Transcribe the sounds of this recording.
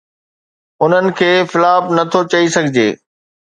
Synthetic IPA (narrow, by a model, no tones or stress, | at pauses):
ʊn̤ənɪ̆kʰeːfɪlaːbnɐt̪ʰot͡ɕɐisɐɡʱɪd͡ʑeː